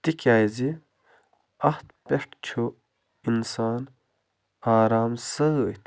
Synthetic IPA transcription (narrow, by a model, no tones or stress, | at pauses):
t̪ikaːjzi | ɐht̪peʂʈt͡ɕʰu | insaːn | aːɾaːmsət̪